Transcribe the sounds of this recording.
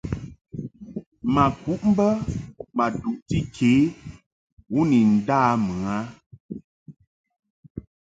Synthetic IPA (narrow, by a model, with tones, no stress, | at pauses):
ma˨ku˨˦ʔm̩˦bə˦ma˨du˨ʔti˦kʰeː˨˦ | wu˦ni˨n̩˨daː˦˨mɨ˨a˦